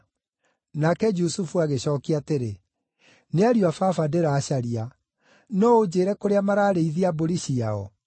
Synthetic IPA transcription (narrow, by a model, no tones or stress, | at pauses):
nakɛd͡ʒusufuaɣeɕɔːkiateɾe | neaɾiwafafadeɾaːɕaɾia | nɔod͡ʑeːɾɛkoɾeamaɾaːɾeiðiaboɾiɕiaɔ̰